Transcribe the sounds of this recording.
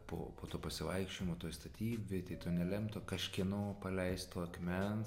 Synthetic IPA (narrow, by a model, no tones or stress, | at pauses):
po̰ːpoːt̪oːpɐsʲɪʋɐɪkʃʲt͡ʃʲoːjɪmoːt̪oːjst̪ɐt̪ʲiːbʲet̪ɐɪt̪oːnʲɛlʲɛmt̪okɐʃʲkʲiɛnoːpɐlʲɛɪst̪t̪oɐkʲmʲɛn